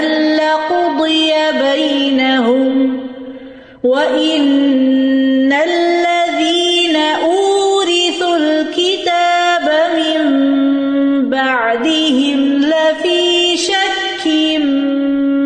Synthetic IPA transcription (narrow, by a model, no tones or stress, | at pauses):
ʔalːaqʊd̪ˤɨjabajnaɦʊm | waʔɪn | alːaðiːnaʔuːɾɪθulkɪt̪aːbamɪmmm | baʕd̪ɪhɪmlafiːʃakːɪm